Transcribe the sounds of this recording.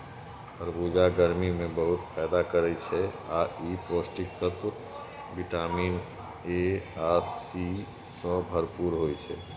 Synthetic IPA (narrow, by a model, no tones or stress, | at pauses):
bʰəɾbuːd͡ʒaɡəɾmimẽbəɦʊt̪pʰɛːd̪akəɾəit͡ʃʰɛaːʔiːpoːsʈɪk̚t̪ət̪wə | bɪʈaːmiːn | eaːsi | sə̃bʱəɾpuːɾɦoːit͡ʃʰɛː